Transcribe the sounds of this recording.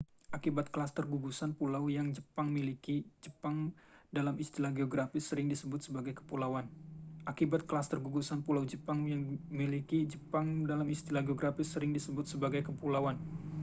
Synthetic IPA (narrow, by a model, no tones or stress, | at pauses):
ʔakibat̪̚kəlast̪ərɡuɡusanpulawjaŋd͡ʒəpaŋmilikid͡ʒəpaŋdalamist̪ilahɡeoɡɾafɪsːəɾɪŋdisəbʊt̪̚səbaɡajkə̥pulawanʔakibat̪̚kəlast̪ərɡuɡusanpulawd͡ʒəpaŋjaŋmilikid͡ʒəpaŋdalamist̪ilaɡeoɡɾafɪsəɾɪŋdisəbʊt̪̚səbaɡajkəpulawan